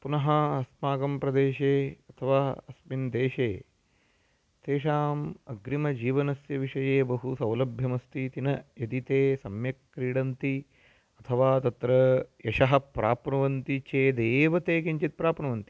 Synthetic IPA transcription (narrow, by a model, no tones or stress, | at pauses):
punɐɦɐɐsmaːɡɐmpɾɐd̪eːʃeːɐt̪ʰɐʋaːɐsmind̪eːʃeː | t̪eːʃaːmɐɡɾimɐd͡ʒiːʋɐnɐsjɐʋiʂɐjeːbɐɦusɐwlɐbʱjɐmɐst̪ʰit̪inɐjɐd̪it̪eːsɐmjɐkːɾiːɽɐnt̪i | ɐt̪ʰɐʋaːt̪ɐt̪ɾɐjɐʃɐɦɐ̆pɾaːpnɐʋɐnt̪it͡ʃeːd̪eːʋɐt̪eːkiɲt͡ʃit̪̚pɾaːpnɐʋɐnt̪i̥